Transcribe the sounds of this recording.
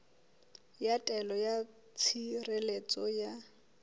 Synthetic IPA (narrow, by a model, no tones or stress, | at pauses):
jatʼɛlɔja | t͡sʰirelet͡sʼɔja